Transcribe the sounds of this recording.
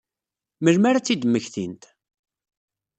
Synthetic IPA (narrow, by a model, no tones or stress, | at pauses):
məlmaɾat͡sːid̪məçθḭnt̪